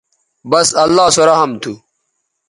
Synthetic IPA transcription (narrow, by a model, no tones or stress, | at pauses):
bɐsɐlːaːsoɾɐɦɐmt̪ʰu